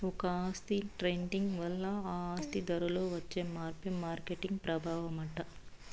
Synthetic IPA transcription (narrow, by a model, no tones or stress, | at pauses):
ɔkɐaːst̪iʈɾejɳɖiŋɡʋɐlːɐaːaːst̪id̪ɐɾɐloːʋɐt͡ʃːe̞ːmaːɾpimaːɾkeʈiŋɡpɾɐbʱaːʋɐmɐʈɐ